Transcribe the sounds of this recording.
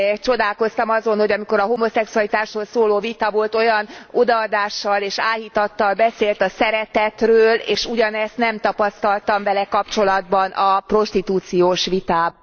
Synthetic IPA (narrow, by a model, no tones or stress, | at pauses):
t͡ʃo̞d̪aːlko̞st̪ɒmɒzo̞nho̞ɟɒmiko̞ɾɒɦo̞mo̞sɛksuɒlit̪aːʃholsoːloːvit̪ɒvo̞lt̪o̞jɒnod̪ɒːd̪aːʃːɒleːʃaːjit̪ɒt̪ːɒlbɛseːlt̪ɒsɛɾɛt̪ɛt̪røːleːʃuɟɒnɛst̪nɛmt̪ɒpɒst̪ɒlt̪ɒɱvɛlɛkɒpt͡ʃo̞lɒd̪̚bɒnʔɒpro̞ʃt̪it̪uːt̪sijoːʃʋit̪aːb